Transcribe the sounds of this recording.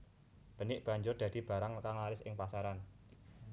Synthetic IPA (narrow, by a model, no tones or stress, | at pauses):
b̥ə̤nɪʔb̥a̤ɲd͡ʒʊrd̪̥ä̤d̪̥i̤b̥a̤ɾaŋəkaŋlaɾɪsʔɪ̰ŋpasaɾan